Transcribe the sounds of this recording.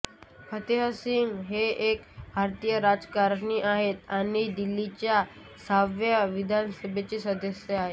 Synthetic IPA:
pʰət̪eɦəsiŋɡɦeekbʱaɾt̪ijəɾad͡zkaɾɳiʔaɦet̪aɽ̃id̪ilːit͡ɕja | saʋjəʋid̪ʱansəbʱet͡ɕisəd̪əsjəaɦe

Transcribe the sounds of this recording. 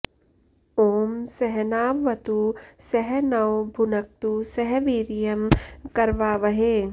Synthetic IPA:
oːmsɛɦɛnaːʋːɐt̪usɛɦɛnɐʋwbʱʊnɐk̚t̪usɛɦɛʋiːɾijɐmkɐɾʋaːʋɐɦeː

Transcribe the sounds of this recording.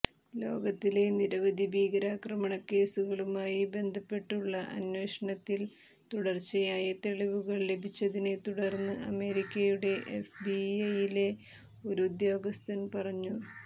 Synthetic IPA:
lo̞̰ːɡɐt̪ːile̞niɾɐʋɐd̪ʱibʱiːɡɐɾaːkrɐmɐɳɐkːe̞ːsuɣɐɭumaːjibe̞nd̪ʱɐpːe̞ʈːuɭːɐʔɐ̰nwe̞ːʂɐɳɐt̪ːil | t̪uɽɐrt͡ɕːɐjaːjɐt̪e̞ɭiʋuɣɐɭle̞bʱit͡ɕːɐðinet̪uɽɐrnːɨʔɐme̞ːɾikʲːɐjuɽe̞ʔefbiɐjile̞ | o̞ɾuːd̪jo̞ːɡɐst̪ɐnpɐrɐɲːu

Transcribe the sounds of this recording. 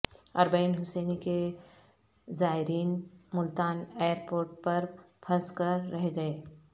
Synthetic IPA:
ɐɾbainɦʊseːnike | zaːɦɪɾiːnmʊlt̪aːneːəɾpoːɾʈ̚pɐɾ | pʰɐskɐɾːɐɦeɡɐeː

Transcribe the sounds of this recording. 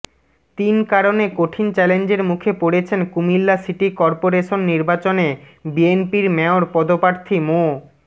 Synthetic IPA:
t̪inkaɾonekoʈʰint͡ɕɛlend͡ʑeɾmukʰepoɽet͡ɕʰenkumilːasiʈikɔɾpoɾeʃonːiɾbat͡ɕone | bienpiɾmɛoɾpɔd̪opaɾt̪ʰimo

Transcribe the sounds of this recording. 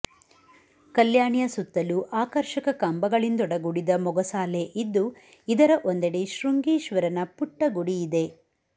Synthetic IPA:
kɐljaːɳijɐsut̪ːɐluʔaːkɐɾʃɐkɐkaːmbɐɡɐɭind̪ɔɽɐɡuɽid̪ɐmɔɡɐsaːleʔid̪ːu | id̪ɐɾɐʔond̪ɐɽeʃɾuŋɡiːʃʋɐɾɐnɐpuʈːɐɡuɽijid̪e̞

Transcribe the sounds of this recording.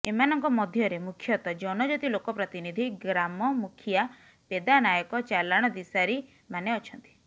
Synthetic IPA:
emanɔŋkɔmɔd̪ʱjɔɾemukʰjɔt̪ɔd͡ʒɔnɔd͡ʒɔt̪ilokɔpɾɔt̪inid̪ʱiɡɾamɔmukʰija | ped̪anajɔkɔt͡ʃalaɽ̃ɔd̪isaɾi | maneɔt͡ʃʰɔnt̪i̥

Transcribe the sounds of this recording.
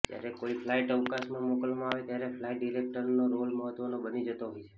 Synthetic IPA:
d͡ʒja̰ɾekoipʰlaiʈəʋkasmãmokəlmãaʋet̪jaɾefʰlaiʈ̚ɖiɾek̚ʈəɾnoɾolməɦət̪ʋənobənid͡ʒət̪oɦojt͡ʃʰe̥

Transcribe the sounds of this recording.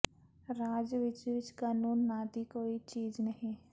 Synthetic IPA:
ɾaːd͡ʒʋɪt͡ʃʋɪt͡ʃkaːnuːnːaːd̪ikoːit͡ʃiːd͡ʒnəɦĩː

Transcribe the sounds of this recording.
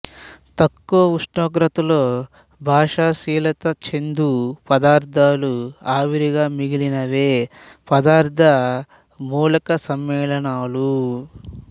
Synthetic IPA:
t̪ɐkːoːɐuʂɳoːɡɾɐt̪ɐloː | bʱaːʂaːʃiːlɐt̪ɐt͡ʃend̪upɐd̪aːɾd̪ʱaːluaːʋiɾiɡaːmiɡilinɐʋeː | pɐd̪aːɾd̪ʱɐ | muːlɐkɐsɐmːɛːlɐnaːlu

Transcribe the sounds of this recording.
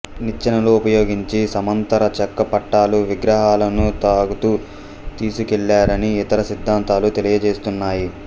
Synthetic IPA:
nit͡ʃt͡ʃːɐnɐluːpɐjo̞ːɡiɲt͡ʃisɐmɐnt̪ɐɾɐt͡ʃɛkːɐpɐʈːaːluʋiɡɾɐɦaːlɐnut̪aːɡut̪uː | t̪iːsukɛɭːaːɾɐniːt̪ɐɾɐsid̪ʱːaːnt̪aːlut̪e̞lijɐt͡ʃe̞ːst̪unːaːji

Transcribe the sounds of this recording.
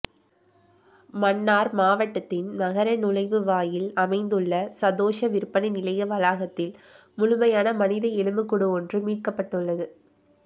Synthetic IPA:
mɐnːaːɾmaːʋɐʈːɐt̪ːɪnnɐɣɐɾɐnʊɻɐɪʋɯʋaːjɪlɐmɐɪnd̪ɯɭːɐsɐd̪oːʂɐʋɪɾpːɐnɐɪnɪlɐjɐʋɐlaːɣɐt̪ːɪl | mʊɻʊmɐjaːnɐmɐnɪðɐɛlɯmbɯkːɔɽɯɔndrɯmiːʈ̚kɐpːɐʈːɯɭːɐðɯ

